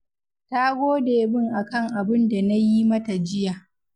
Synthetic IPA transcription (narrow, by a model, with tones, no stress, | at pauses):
ta˦ɡʷoː˦deː˨bɪ˦ŋʔa˨kɐ˦˨ŋʔa˨bɪ˦nda˨na˦ji˦mɐ˦ta˨d͡ʒɪ˦jaː˨